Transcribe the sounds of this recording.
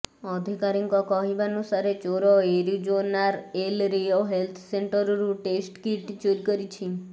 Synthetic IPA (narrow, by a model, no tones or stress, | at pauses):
ɔd̪ʱikaɾiŋkɔkɔɦibanusaɾet͡ʃoɾɔeɾid͡ʒonaɾelɾijɔɦelt̪ʰseɳʈəɾɾũʈesʈkiʈd͡ʒoɾikəɾit͡ʃʰi